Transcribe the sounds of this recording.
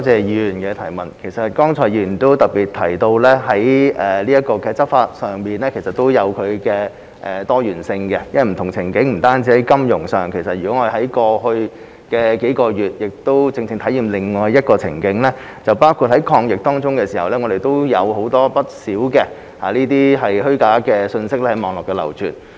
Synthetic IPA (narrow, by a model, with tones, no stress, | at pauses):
ɔ˨˥t͡sɛː˨jy˨nkɛː˧t̪ʰɐ˨˩jmɐ˨˩nkʰe˨˩jsɐ˨t̚kɔː˥ŋt͡sʰɔː˨˩jiː˨˩˨t̪o˥wt̪ɐ˨˩k̚piː˨˩t̚t̪ʰɐ˨˩jt̪o˧wlɛː˥ɦɐ˨˥jɛː˨liː˥jɐ˥t̚kɔː˧kɛː˧t͡sɐ˥p̚faː˧t̚sœː˨ŋmiː˨nlɛː˥kʰe˨˩jsɐ˨t̚t̪o˥wjɐ˨˧wkʰɵ˨˧ɥkɛː˧ | ʔɛ˨t̪ɔː˥jyː˨˩nsɪ˧ŋkɛ˧jɐ˥wɐ˨˩m̩˨˩t̪ʰʊ˨˩ŋt͡sʰɪ˨˩ŋkɪ˨˥ŋm̩˨˩t̪aː˥nt͡siː˥ɐ˨˥jkɐ˥mjʊ˨˩ŋsœː˨˩ŋkʰe˨˩jsɐ˨t̚y˨˩kɔː˨˥ŋːɔ˧de˨hɐ˨˥jkɔː˧hɵ˧ɥ | kɛː˧ke˨˥kɔː˧jyː˨˩t̚jɪ˨k̚t̪o˥wt͡sɪ˧ŋt͡sɪ˧ŋt̪ʰjiː˨˩mlɪ˨ŋːɔː˨˩jːɐ˥t̚kɔː˧t͡sʰɪ̰˨˩ŋkɪ˨˥ŋlɛː˥ | t͡sɐ˨wpaː˥wkʰuː˨˧t̚hɐ˨˥jkʰɔː˧ŋjɪ˨k̚t̪ɔː˥ŋt͡sʊ˥ŋkɛː˧siː˨˩hɐ˨wlɛ˥ŋɔ˨˧d̪e˨jt̪o˥wjɐ˨˧who˨˥wt̪ɔː˥pɐ˥t̚siː˨˥wkɛ˧ | ha̰ː˨˩liː˥t̪iː˥ɦɐ˨jɦɵ˥ɥkaː˨˥kɛː˧sɵ˧nsɪ˥k̚lɛ˥hɐ˨˥jmɔː˨˧ŋlɔː˨kːɛː˧lɐ̰˨˩wt͡ʃʰyː˨˩n